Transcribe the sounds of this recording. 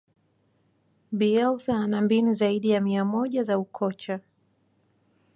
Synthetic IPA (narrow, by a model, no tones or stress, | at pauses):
ɓiɛlsaːnambinuzaiɗijamiamɔʄazaukʰɔt͡ʃa